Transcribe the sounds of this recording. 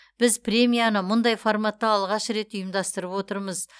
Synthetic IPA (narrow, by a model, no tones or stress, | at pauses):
b̥ɪzpɾʲe̞mʲijanəmʊnd̪ɑjfoɾmat̪ːɑːlˠʁɑʃɾe̞t̪ʊjəmd̪ɑst̪əɾəpwo̞t̪əɾməz